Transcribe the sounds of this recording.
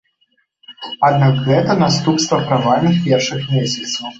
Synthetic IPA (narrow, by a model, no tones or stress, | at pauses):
ad̪naɡɣɛt̪ənast̪upst̪vɐpɾavalnʲɨxpʲɛrʂɨxmʲesʲɐt̪sw